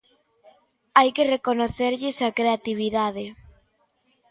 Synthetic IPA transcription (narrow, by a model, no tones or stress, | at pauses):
ajkerekonoθeɾʎɪsakɾeat̪iβ̞iðaðe